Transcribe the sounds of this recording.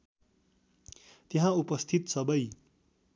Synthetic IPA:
t̪jeɦãupʌst̪ʰit̪sʌbʌj

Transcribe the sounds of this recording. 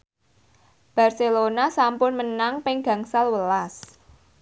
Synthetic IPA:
b̥a̤rselonasampʊnmənaŋpɪŋɡ̥a̤ŋsalwəlas

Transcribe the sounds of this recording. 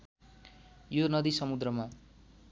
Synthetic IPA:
jonʌd̪isʌmud̪rʌma

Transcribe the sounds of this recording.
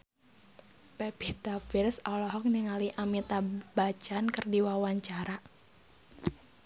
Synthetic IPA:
pɛbit̪afirsɔlɔɦɔk̚niŋaliʔamit̪abat͡ʃankərdiwawaɲt͡ʃaɾa

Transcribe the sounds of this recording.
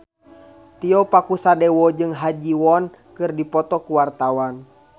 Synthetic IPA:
t̪iɔpakusadɛwɔd͡ʒɨŋɦad͡ʒiwɔn | kɨrdipɔt̪ɔkuwart̪awan

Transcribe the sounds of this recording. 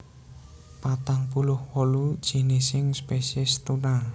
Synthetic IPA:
pat̪aŋpulʊhwɔlud̥ʒ̥i̤nɪsɪŋspesɛst̪una

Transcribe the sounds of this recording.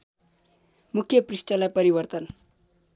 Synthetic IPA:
mukʰjʌprisʈʌlajpʌɾibʌrt̪ʌn

